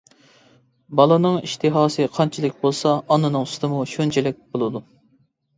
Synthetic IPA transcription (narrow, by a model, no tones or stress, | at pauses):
bɑlˠɨnɨŋiʃt̪ʰɨɦɑːsɨqʰɑnt͡ʃʰilɪkʲbolˠsɑːnːɨnɨŋyst̪ʰɨmuʃønt͡ʃʰɛlɪk̚ʲb̥olˠɨd̪u